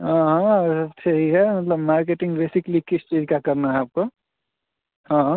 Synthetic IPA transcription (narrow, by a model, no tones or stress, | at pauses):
ɦʌ̃ɦʌ̃tʰeɦiɦɛmət̪ləbmaɾkeʈiŋɡbesiklikisʰt͡ʃid͡ʒkakəɾnaːp̚ko | ɦʌ̃ɦ